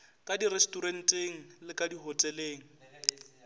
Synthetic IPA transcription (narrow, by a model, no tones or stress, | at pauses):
kʼadirestʼuɾen̩tʼeŋ̩lɪkʼadiɦɔtʼɛleːŋ̩